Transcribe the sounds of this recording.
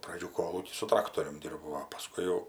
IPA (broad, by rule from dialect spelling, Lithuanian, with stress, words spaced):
prɐˈd͡ʒʲuː ˈkoːlˠuːkʲiː sʊ ˈtrɑːktoːrʲʊm ˈdʲiːrbɐʊ oː pɐˈskʊɪ jɛʊ